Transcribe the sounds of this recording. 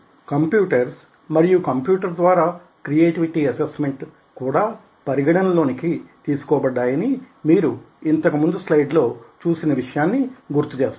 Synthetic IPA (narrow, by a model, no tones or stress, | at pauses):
kɐmpjuːʈɐɾs | mɐɾijukɐmpjuːʈɐɾd̪ʋaːɾaː | kɾijeːʈiʋiʈiɐsesme̞ɳʈ | kuːɽaː | pɐɾiɡɐɽɐnɐlo̞ːnikit̪iːsu̥kɔːbɐɖːaːjɐni | miːɾu | int̪ɐkɐmund̪uslɐjɖlo̞ːt͡ʃuːsinɐʋiʂɐjaːnːiɡuɾt̪ut͡ʃe̞ːst̪